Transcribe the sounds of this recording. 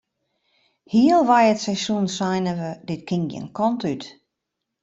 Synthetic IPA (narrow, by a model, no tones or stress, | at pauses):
hiəlˠʋajətsɛjsjunsajnəʋədɪtkʰɪŋɡə̰nkʰɔntyt